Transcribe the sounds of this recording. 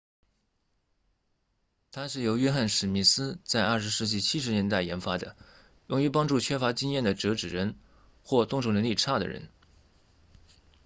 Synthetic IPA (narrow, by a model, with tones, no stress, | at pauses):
t̪ʰa˥ʂɻ̩˥˩jo˧˥ʊɥɛ˥xa˥˩nʂɻ̩˨˩mi˥˩sɹ̩˥t͡sa˥˧ɪʔɐ˞˥˩ʂɻ̩˧˥ʂɻ̩˥˧t͡ɕi˥˩t͡ɕʰi˥ʂɻ̩˧˥njɛ˧˥nt̪a˥˩ɪjɛ˧˥nfa˥d̪ə̰˨ | jʊ˥˩ŋy˧˥pɑ˥ŋʈ͡ʂu˥˩t͡ɕʰɥɛ˥fa˧˥t͡ɕi˥ŋjɛ˥˩nd̪ə˩ʈ͡ʂɤ˧˥ʈ͡ʂɻ̩˨˩ɻə˧˥n | xwɔ˥˧t̪ʊ˥˧ŋʈ͡ʂʰʊ˥˩ŋnə˧˥ŋli˥˧ʈ͡ʂʰa˥˩d̪ə̰˩ɻə̰˧˥n